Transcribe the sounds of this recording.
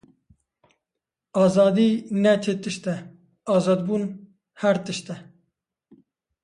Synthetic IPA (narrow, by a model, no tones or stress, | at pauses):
ɑːzɑːd̪iːnɛt͡ʃʰet̪ɨʃt̪ɛ | ɑːzɑːd̪bun | hæɾt̪ɨʃt̪ɛ